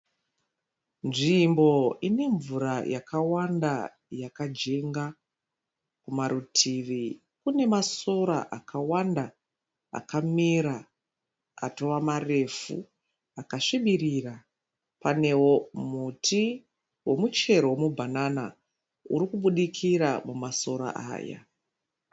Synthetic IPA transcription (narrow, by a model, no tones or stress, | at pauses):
nʐimbo̞ine̞ɱvuɾajakawanda | jakad͡ʒeŋɡa | kumaɾutʰiʋi | kune̞maso̞ɾa̰ʔakʰawanda | a̰kamiɾa | a̰to̞ʋamare̞fṵ | akaʂiɓiriːra | pane̞wo̞mutʰi | wo̞mut͡ʃe̞ɾowomubʱanana | ṵɾikuɓuɗikʰiɾamumaso̞ɾa̰ʔa̰ːja̰